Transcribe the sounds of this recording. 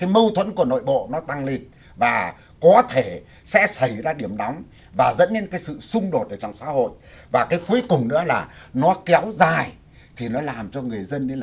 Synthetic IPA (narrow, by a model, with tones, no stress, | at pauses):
kaː˨˦jmə˧wt̪ʰwə˧˥nku˧˩əno̰˧˨jɓo̰˧˨nɔ˨˦t̪a˧ŋle˧n | vaː˨˩ | kɔ˨˦t̪ʰe˧˩ | sɛ̰˧˥sə˧˩jzaː˧ɗi˧˩əmɗɔ˨˦wŋ͡m | vaː˨˩zə̰˧˥nɲe˧nkaː˨˦jsɨ̰˧˨sʊ˧ŋ͡mɗo˨˩t̚ʔəː˧˩t͡ɕɔ˧˩wŋ͡msa̰ː˧˥ho̰˧˨jvaː˨˩kaː˨˦jku˨˦əjkʊ˨˩ŋ͡mnɨ̰˧˥əlaː˨˩nɔ˨˦kɛ˨˦wzaː˨˩j | t̪ʰi˨˩nɔ˨˦laː˨˩mt͡ɕɔ˧ŋɨ˨˩əjzə˧nɗe˧l